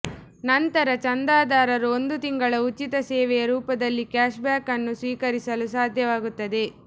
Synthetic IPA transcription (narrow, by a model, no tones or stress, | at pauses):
nɐnt̪ɐɾɐt͡ʃɐnd̪aːd̪aːɾɐɾuond̪ut̪iŋɡɐɭɐut͡ʃːit̪ɐsɛːʋɛjɐɾuːpɐd̪ɐlːikjaːʃbjaːkɐnːusʋiːkɐɾisɐlusaːd̪ʱjɐʋaːɡut̪ːɐd̪e̞